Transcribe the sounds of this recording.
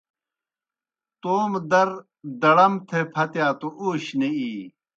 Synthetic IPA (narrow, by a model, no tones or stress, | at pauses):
t̪oːmd̪ɐɾ | d̪ɐɽɐmt̪ʰepʰɐt̪jaːt̪oʔuːɕneiː